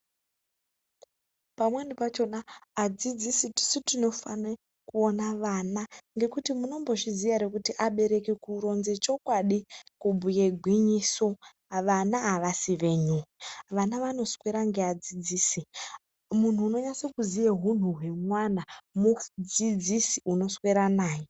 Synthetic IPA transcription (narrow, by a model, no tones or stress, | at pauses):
pamwendipat͡ʃo̞naːd͡zid͡zisiti̥sitino̞fane | kuonaʋanaŋɡe̞kutimuno̞mbo̞ʃizijaɾekutiʔaɓe̞ɾe̞kekuɾo̞nze̞t͡ʃo̞kwaɗikubʱujeɡʱwiɲiːso̞ | ʋanaːʋasiʋe̞ɲuɦʋanaʋano̞sweɾaŋɡe̞ad͡zid͡ziːsi | mun̤uːno̞ɲasekuzijeɦun̤uɦe̞mwanamud͡zid͡zisiuno̞sweɾanaːje